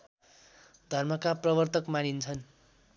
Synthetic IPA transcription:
d̪ʱʌrmʌkaprʌbʌrt̪ʌkmanint͡sʰʌn

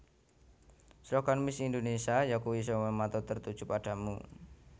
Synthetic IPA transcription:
sɾɔkanmisindonesiajakowis̬ɔmɛmat̪ɔt̪ərt̪ud̥ʒ̥upaɖ̥a̤mṵ

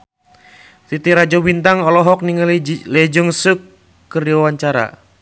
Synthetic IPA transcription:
t̪it̪iɾad͡ʒɔbint̪aŋɔlɔɦɔk̚niŋllɛd͡ʒuŋsukː | əriawaɲt͡ʃaɾa̰

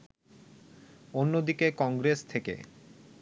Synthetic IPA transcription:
onːod̪ikekɔŋɡɾest̪ʰekḛ

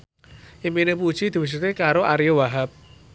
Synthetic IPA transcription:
ʔiminepud̥ʒ̥id̪̥i̤wis̬ut̪ekaɾoʔaɾjowaɦap̚

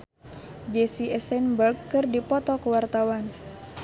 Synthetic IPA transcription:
d͡ʒɛsiɛsɛnbərkːɨrdipɔt̪ɔkəwart̪awan

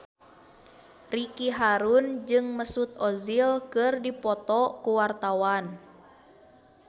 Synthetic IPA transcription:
rikiɦaɾund͡ʒɨŋməsut̪̚ɔzilkɨrdipɔt̪ɔkuwart̪awan

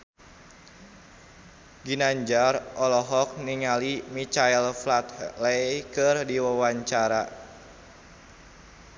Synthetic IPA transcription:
ɡinaɲd͡ʒarɔlɔɦɔk̚niŋalimit͡ʃailflat̪lejkɨrdiwawaɲt͡ʃaɾa

